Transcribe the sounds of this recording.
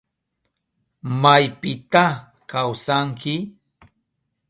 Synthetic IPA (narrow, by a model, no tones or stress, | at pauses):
majpɪt̪a | kawsaŋkɪ